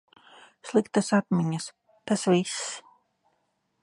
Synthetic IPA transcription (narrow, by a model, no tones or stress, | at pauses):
slˠikt̪asat̪mʲiɲas | t̪asvʲis